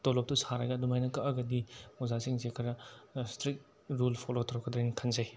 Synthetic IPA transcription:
tolɔp̚tusaɾɐɡɐdumajnɐkɐʔɐɡɐdiozasiŋzekʰɐɾɐstɾik̚ | ɾulpʰolotʰɔɾɔkʰɐd̪ɾenkʰɐnzaj

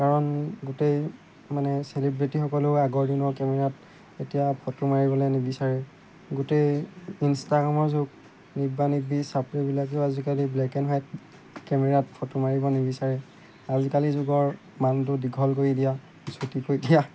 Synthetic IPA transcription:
kaɹɔnɡutej | manɛselibɹitixɔkɔleʊaɡɔɹdinɔɹkɛmɛɹat | etijapʰɔtumaɹibɔlɛnebisaɹɛ | ɡutejinstaɡɹamɔɹzʊɡ | nibanibisapɹibilak̬eʊazikaliblɛkɛnɦajt | kɛmɛɹatpʰɔtumaɹibɔnebisaɹɛ | azikalizʊɡɔɹ | mant̬ʊdiɡʱɔlkoɹidija | sutikojdija

